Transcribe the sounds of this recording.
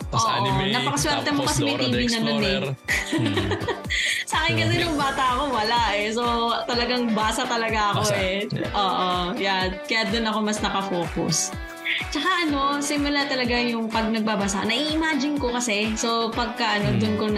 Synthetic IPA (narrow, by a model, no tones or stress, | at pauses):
ʔoːʔnɐpɐkɐswɛɾt̪ɛmokɐsɛmɐjt̪iːbinɐnonɛ | saːkɪnkɐsɛnʊŋbaːt̪ɐɐko̞wɐlaʔɛsot̪ɐlɐɡaŋbaːsɐt̪ɐlɐɡaʔɐko̞ʔɛʔoːʔojakɐjad̪ʊnɐko̞mɐsnɐkɐfo̞ːkʊ̰s | t͡ʃɐkaʔɐno̞sɪmʊlat̪ɐlɐɡajʊŋpɐɡ̚nɐɡ̚baːbɐsa̰nɐʔiʔɪmaːd͡ʒɪnkokɐsɛsopɐɡ̚kaʔɐno̞d̪ʊnkon